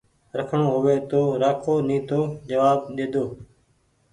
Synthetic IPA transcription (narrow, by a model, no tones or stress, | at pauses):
ɾəkʰɳoːɦʊʋeːt̪oːɾaːkʰoːnĩːt̪oːd͡ʒəʋaːbɗ̪eːd̪oː